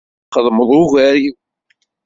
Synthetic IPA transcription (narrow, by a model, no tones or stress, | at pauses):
qːəðˤməðˤuɣæɾi